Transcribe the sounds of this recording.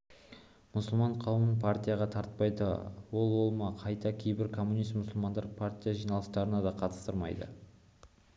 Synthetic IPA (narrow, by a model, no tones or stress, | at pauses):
mʊsəlˠmɑɴqʰɑwəmənpʰart̪ʲijaʁɑt̪ʰɑɾt̪̚pɑjd̪ə̰wo̞lˠwo̞lˠmɑqʰɑjt̪ɑkʲʰejbɪɾkʰo̞mːunijst̪mʊsəlˠmɑnd̪ɑɾpʰart̪ʲijaʒijnɑlˠəst̪ɑɾənɑd̪ɑqʰɑt̪ə̥st̪əɾmɑ̰jd̪ə̰